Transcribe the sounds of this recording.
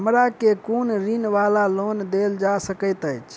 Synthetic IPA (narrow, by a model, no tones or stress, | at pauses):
ɦəmɾakekonɾinʋalalond̪eld͡ʒasəkəjt̪əjt͡ʃʰ